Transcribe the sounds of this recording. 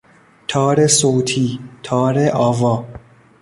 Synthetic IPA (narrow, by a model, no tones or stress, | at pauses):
t̪ʰɒːɾesoːt̪ʰiːt̪ʰɒːɾeʔɒːvɒː